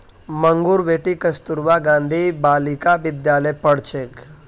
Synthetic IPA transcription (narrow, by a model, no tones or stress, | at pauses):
məŋɡuɾʋeːʈikəst̪uɾʋaɡãːnd̪ʱibaːlikaʋɪd̪jaːləjpəɽ̤t͡ʃek